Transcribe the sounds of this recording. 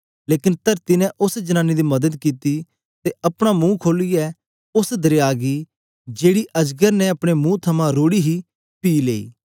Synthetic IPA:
leːkɪnt̪əɾt̪ɪnɛ̃ʔʊsd͡ʒɐnaːnːid̪imɐd̪əd̪kiːt̪i | t̪eɐpɽ̃amũːkʰoːliɛ | ʊsd̪ɐɾejaːɡi | d͡ʒeːɽiʔɐd͡ʒɡəɾnɛɐpɽ̃emũt̪ʰɐmãɾoːɽiɦi | piːlḛːḭː

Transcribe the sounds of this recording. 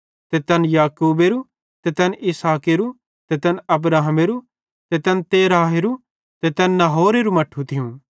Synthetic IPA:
t̪et̪ɛːnjaːkuːbeɾu | t̪et̪ɛːnɪsaːkeɾu | t̪et̪ɛːnɐb̬ɾaːɦəmeɾu | t̪et̪ɛːnt̪eːɾaːɦeɾu | t̪et̪ɛːnnːɐɦoːɾeɾumɐʈʰːut̪ʰɪjũ

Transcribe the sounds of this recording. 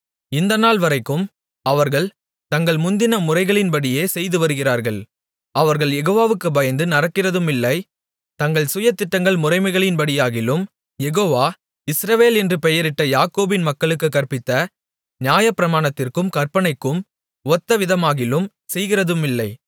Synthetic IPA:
ɪnd̪ɐnaːlʋɐɾɐɪkːɯm | ɐʋɐɾɣɐɭ | t̪ɐŋɡɐɭmʊnd̪ɪnɐmʊrɐɪɣɐɭɪnbɐɽɪjeːsɛjðɯʋɐɾɯɣɪraːɾɣɐɭ | ɐʋɐɾɣɐɭjɛɣoːʋaːʋɯkːɯbɐjɐnd̪ɯnɐrɐkːɪrɐðɯmɪlːɐɪ | t̪ɐŋɡɐɭsʊjɐt̪ːɪʈːɐŋɡɐɭmʊrɐɪmɐɪɣɐɭɪnpɐɽɪjaːɣɪlɯm | jɛɣoːʋaː | ɪsɾɐʋeːlɛndrɯpɛjɐɾɪʈːɐjaːkoːbɪnmɐkːɐɭɯkːɯkːɐrpɪt̪ːɐ | nɪjaːjɐpːɪɾɐmaːɳɐt̪ːɪrkɯmkɐrpɐɳɐɪkːɯm | ɔt̪ːɐʋɪðɐmaːɣɪlɯm | sɛjɣɪrɐðɯmɪlːɐɪ

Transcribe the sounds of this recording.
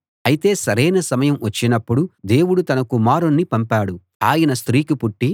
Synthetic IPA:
ɐjit̪e̞ːsɐɾɐjnɐsɐmɐjɐmʋɐt͡ʃːinɐpːuɽud̪e̞ːwuɽut̪ɐnɐkumaːɾunːipɐmpaːɽu | aːjɐnɐst̪ɾiːkipuʈːi

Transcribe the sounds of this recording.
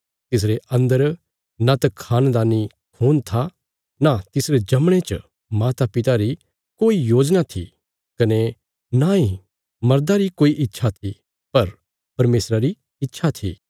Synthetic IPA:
t̪ɪs̬ɾeɐ̃nd̪əɾ | nat̪akʰaːnd̪aːni | kʰuːnt̪ʰa | nat̪ɪsɾed͡ʒɐmɽ̃et͡ʃ | maːt̪apɪt̪aɾi | koːijoːd͡ʒnat̪ʰḭ | kɐne | nai | mɐɾd̪aɾikoːiʔɪtːʃʰat̪ʰi | pɐɾ | pɐɾmeːsɾaɾi | ɪtːʃʰat̪ʰḭː

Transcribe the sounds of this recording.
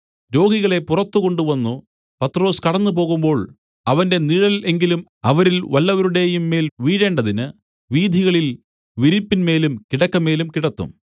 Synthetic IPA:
ɾo̞ːɡiɣɐɭe̞purɐt̪ːuko̞ɳɖuʋɐnːu | pɐt̪ːro̞ːskɐɽɐnːupo̞ːɣumbo̞ːɭ | ɐʋɐnde̞niɻɐle̞ŋɡilum | ɐʋɐɾilʋɐlːɐʋɐɾuɽe̞jumːe̞ːlʋiːɻe̞ːɳɖɐðinɨ | ʋiːd̪ʱiɣɐɭil | ʋiɾipːinme̞ːlumkiɽɐkːɐme̞ːlumkiɽɐt̪ːṵm

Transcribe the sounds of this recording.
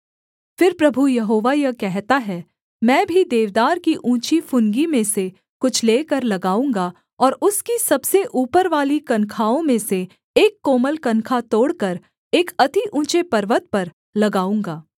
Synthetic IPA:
fɪɾpɾɐbʱujɐɦoːʋajɐkɛɦt̪aɦɛ | mɛ̃ːbʱid̪eːʋd̪aːɾkiʔũːt͡ʃifʊnɡimẽse | kʊt͡ʃʰleːkɐɾlɐɡaːũːŋɡa | ɔːɾʊskisɐbseʔuːpəɾʋaːlikɐnkʰaːõmẽse | eːkːoːməlkɐnkʰat̪oːɽkɐɾ | eːkɐt̪iʔũːt͡ʃepɐɾʋət̪̚pɐɾ | lɐɡaːũːŋɡaː

